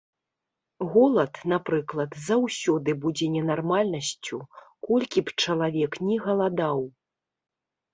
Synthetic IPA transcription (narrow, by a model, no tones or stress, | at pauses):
ɣɔlˠɐt̪napɾɨklˠɐt̪zawsʲɔd̪ɨbud͡zʲɛnʲɛnarmalʲnɐsʲt͡sʲukɔlʲkʲipt͡ʂɐlˠavʲɛknʲɛɣɐlˠad̪aw